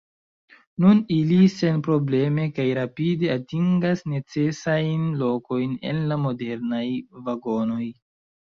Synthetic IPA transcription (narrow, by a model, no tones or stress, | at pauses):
nunilise̞npɾo̞ble̞me̞kajɾapide̞atiŋɡasne̞t͡se̞sajnlo̞ko̞jne̞̰nlamo̞de̞ɾnajvaɡo̞no̞j